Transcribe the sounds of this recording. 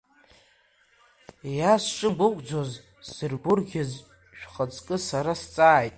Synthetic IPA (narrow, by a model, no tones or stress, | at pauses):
jasʂʼɨmbɨkʷʼd͡zoz | z̥ɨrɡʷʊrɡʲaz | ʃᶣχət͡sʼkʼɨsaɾast͡sʼaːjtʼ